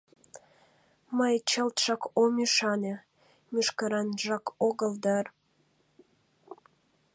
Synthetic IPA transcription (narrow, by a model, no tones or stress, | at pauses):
məjt͡ɕəlt̪ʃɑkomʲiʃɑne | mʲyʃkəɾɑnʒɑkoɣəld̪ɑr